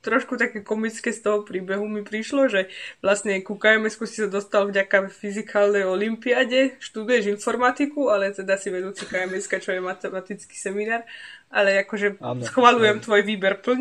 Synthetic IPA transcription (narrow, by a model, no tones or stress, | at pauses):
t̪ɾɔʃkut̪akɛːkɔmit͡skɛːst̪ɔɦɔpɾiːbɛɦumipɾiʃlɔʒɛʋlasɲɛkukaɛmɛskusi̥sad̪ɔst̪alvɟakafizikʰaːlnɛjɔlimpiaɟɛʃt̪ud̪ujɛʒinfɔɾmat̪ikualɛt̪ɛd̪asiʋɛd̪uːt͡sikaɛmɛskat͡ʃɔjɛmat̪ɛmat̪it͡ski̥sɛminaːɾʔa̰lɛakɔʒɛsxʋalujɛmt̪ʋɔjʋiːbɛɾpl̩ɲ